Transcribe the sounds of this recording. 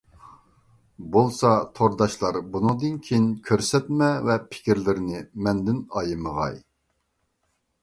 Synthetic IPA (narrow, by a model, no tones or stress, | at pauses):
bolˠsɑt̪ʰoɾd̪ɑʃlˠɑɾbunɨŋd̪ɨnkʲʰeinkʲʰøɾsɛt̪̚mɛvɛpʰɪ̥kʲiɾlɪɾnɪmɛnd̪ɪnɑjɨməʁɑ̰j